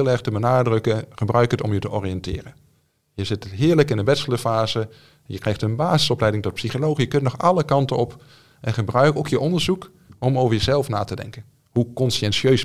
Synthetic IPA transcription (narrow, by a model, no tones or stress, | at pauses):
lˠɛɹχtəbənaːdrɵkəχəbrœɥkətɔmjətəʔɔrijɛntɪ̰ːrən | jəzɪtɦɪːɹləkɪndəbɛtsələfaːzə | jəkrɛjxtənbaːzɪsɔplɛjdɪŋtɔt̚psiχolowχjəkəntnɔχɑləkɑntəɔp | ɛnχəbrœɥkowkjəʔɔndəɹzuk | ɔmowvəɹjəzɛlˠfna̰ːtədɛ̰ŋkən | hukɔnsiɛnsøɥs